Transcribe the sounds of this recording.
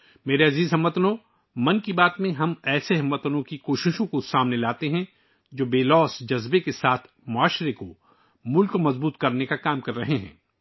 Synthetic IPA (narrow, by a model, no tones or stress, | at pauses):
meːɾeɐziːzɦɐmːət̪no | mɐnkibaːt̪mẽɦɐmɛːseɦɐmːət̪ənõkikoːʃɪʃõkosaːmnelaːt̪eɦɛ̃ | d͡ʒoːbeːlɔːsd͡ʒɐzbekesaːt̪ʰ | mʊaːʃɾeko | mʊlkomɐzbuːt̪kɐɾnekakaːmkɐɾːɐɦeɦɛ̰̃ː